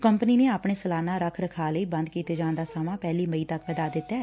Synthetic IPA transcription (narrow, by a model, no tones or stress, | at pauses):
kəmpəniːnẽːaːpɳeːsəlaːnaːɾəkʰɾəkʰaːləiːbə̃nd̪kiːt̪eːd͡ʒãːnd̪aːsaːmãːpɛːliːməiːt̪əkpɛːd̪aːd̪ɪt̪ːɛː